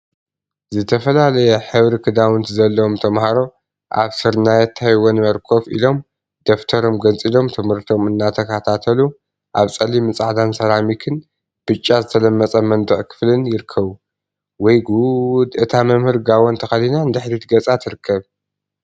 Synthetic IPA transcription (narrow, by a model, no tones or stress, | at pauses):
zɨt̪ʰɐfɐlalɐjɛħɨβɾikʰɨd̪awɨnt̪zɐlːɐwomt̪ʰɐmhaɾo̞ | ʔaβsɨɾnajɛt̪ʰːahwonmɐɾkʰo̞fḭlo̞m | d̪̥oft̪ʰɐɾo̞mɡɐnt͡sʼilo̞mt̪ʰɨmhɨɾt̪ʰo̞mɨnːat̪ʰɐkʰat̪ʰat̪ʰɐlu | ʔaβt͡sʼɐlimɨt͡sʼaʕd̪ansɐlamikʰɨn | b̥ɨt͡ʃʼːazɨt̪ʰɐlɐmːɐt͡sʼɐmɐnd̪ɨʕkʰɨ̥flɨnjɪɾɨkʰːɐβu | wɔjɡud̪ʔɨt̪ʰamɐmhɨɾɡawont̪ʰɐxɐlinaɨnd̪ɨħɾit̪ɡɐt͡sʼat̪ʰɨɾɨkʰːɐβ